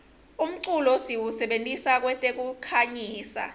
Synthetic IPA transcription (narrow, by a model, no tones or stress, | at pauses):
um̩ǀulɔsiwusɛɓentʼisak̬wɛtʼek̬ukʰaɲiːsa̰